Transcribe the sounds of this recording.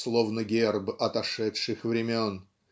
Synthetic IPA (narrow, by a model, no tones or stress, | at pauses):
slˠovnəɡʲerbɐt̪ɐʂɛtʂɨxvɾʲɪmʲon